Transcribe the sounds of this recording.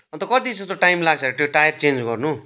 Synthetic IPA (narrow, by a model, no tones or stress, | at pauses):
ʌ̃nt̪ʌkʌd̪id͡zʌst̪oʈajmlaɡ̚t͡sʰʌɾet̪oʈajʌrt͡send͡zɡʌrnu